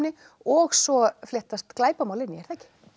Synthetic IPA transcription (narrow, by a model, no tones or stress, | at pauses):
nːɪ | ɔxsɔflɛht̪ast̪klaːjpamaːwlɪnːɪɛɾ̥θɛcɪ̥